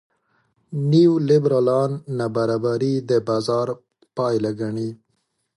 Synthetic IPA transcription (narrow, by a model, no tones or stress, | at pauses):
niwlɪbɾɑlɑnːabaɾɑbaɾid̪əbɑzɑɾ | pɑjlaɡaɳi